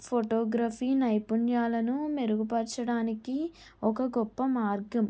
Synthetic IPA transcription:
pʰoʈoːɡɾaːpiːnɐjpuɳjaːlɐnume̞ɾuɡupɐɾt͡ʃɐɽaːniki | ɔkɐɡɔpːɐmaːɾɡɐm

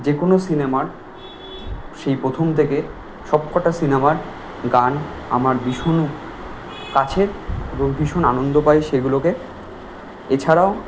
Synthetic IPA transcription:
d͡ʑekonosinemaɾ | ʃejpɾot̪ʰomt̪ʰeke | ʃɔb̚kɔʈasinemaɾ | ɡana̰maɾbiʃonu | kat͡ɕʰeɾɾobʱiʃonanond̪opajʃeɡuloke | et͡ɕʰaɾao

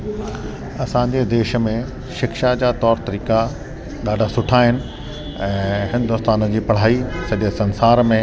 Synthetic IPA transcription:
ɐsãːɲd͡ʑed̪eːʃəmẽ | ʃɪkʃad͡ʑaːt̪ɔːɾt̪ɐɾiːka | ɗaːɖʱasʊʈʰaːɦɪnɪ̆ | ɛ̃ːɦɪ̃nd̪ʊst̪aːnəd͡ʑiːpɐɽ̤aːisɐʄesɐ̃nsaːɾmẽ

